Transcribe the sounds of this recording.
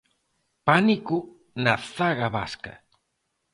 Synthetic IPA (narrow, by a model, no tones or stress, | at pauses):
paniku | naθaɣaβa̰ska̰